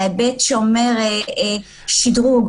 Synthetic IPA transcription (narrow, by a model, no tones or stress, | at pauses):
abɛt̪ʃeomɛʁ | ʃid̪ʁuɡ